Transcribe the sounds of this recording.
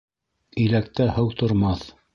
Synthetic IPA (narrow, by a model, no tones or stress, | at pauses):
ɵ̆læk̚t̪æhɤwt̪ŏɾmɑθ